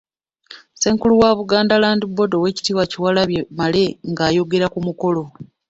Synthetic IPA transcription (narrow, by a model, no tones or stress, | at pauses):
seːŋkuluwaβuɡaːndalaːndibːo̞do̞we̞ːci̥tiwaciwalaβjemale̞ŋɡaːjo̞ɡe̞ɾakumuko̞lo̞